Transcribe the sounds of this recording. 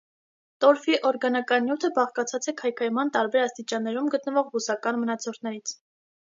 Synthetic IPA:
t̪ɔɾfiʔɔɾɡɑnɑkɑnjut̪ʰəbɑχkɑt͡sʰɑt͡sʰɛkʰɑjkʰɑjmɑnt̪ɑɾbɛɾɑst̪it͡ʃɑnːɛɾumɡət̪nəvɔʁbusɑkɑnmənɑt͡sʰɔɾt̪ʰnɛɾit͡sʰ

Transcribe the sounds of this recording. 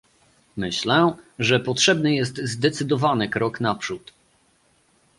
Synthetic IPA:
mɘɕlɛʐɛpɔtʂɛbnɘjɛs̬t̪zd̪ɛt̪sɘd̪ɔvanɘkɾɔknapʂut̪

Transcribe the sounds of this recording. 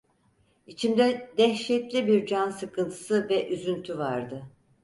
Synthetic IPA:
it͡ʃʰimd̪ɛd̪ɛçʃɛt̪lʲibiɾd͡ʒansɯkʰɯnt̪ʰɯ̥sɯvɛʔyzynt̪ʰyvaɾd̪ɯ

